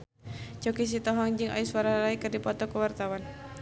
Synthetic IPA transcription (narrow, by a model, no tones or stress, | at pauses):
t͡ʃɔkis̬it̪ɔɦɔŋd͡ʒɨŋʔa̰jiswaɾalaikɨrdipɔt̪ɔkəwart̪awan